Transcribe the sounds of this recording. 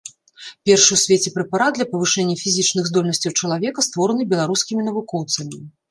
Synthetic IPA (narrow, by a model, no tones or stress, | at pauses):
pʲɛrʂɨwsʲvʲet͡sʲɛpɾɛpaɾat̪d̪d̪lʲɐpɐvɨʂɛnʲːɐfʲizʲit͡ʂnɨɣzd̪ɔlʲnɐsʲt͡sʲɐwt͡ʂɐlˠavʲɛkɐst̪vɔɾɐnɨbʲɛlˠaɾuskʲimʲinɐvukɔwt̪sɐmʲi